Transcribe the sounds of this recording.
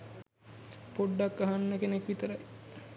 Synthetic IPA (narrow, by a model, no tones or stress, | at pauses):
poɖːakːaɦanːəkenekʋit̪əɾaj